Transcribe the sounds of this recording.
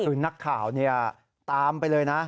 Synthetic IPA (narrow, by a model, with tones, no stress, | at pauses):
ɯː˨˩˦na˦˥kʰːaː˨˩˦wni˥˩ɐ | t̪aː˧mpa˧jlɤː˧jna˦˥